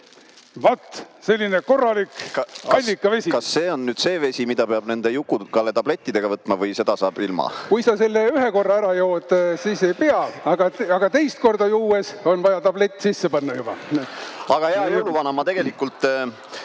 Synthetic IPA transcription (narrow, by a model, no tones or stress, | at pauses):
vɑt̪ːselʲːineko̞rːɑlikkɑɑlʲːikːˑɑve̞sʲikɑsːe̞ːo̞nːyːd̪̥se̞ːve̞sʲimid̪ɑpeɑb̥ne̞nd̪e̞jukːˑukɑlːet̪ɑb̥le̞t̪ʲˑːid̪e̞ɡ̥ɑvɤt̪ːˑmɑvɤjse̞d̪̥ɑsɑːb̥ilmɑ̰kujsɑselːeyɦeko̞rːɑæɾɑjowd̪̥siːse̞jpeɑɑɡ̥ɑɑɡɑt̪e̞jst̪̚ko̞rd̪ɑjuːeso̞nvɑjɑt̪ɑble̞t̪ʲːsisːepɑnːɑjub̥ɑ | ɑɡ̥ɑeɑjoluvɑnɑmɑt̪e̞ɡ̥e̞likːˑult̪ˑ